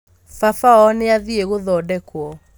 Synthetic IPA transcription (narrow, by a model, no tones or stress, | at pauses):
fafaɔneaðieɣoðɔdɛkwɔ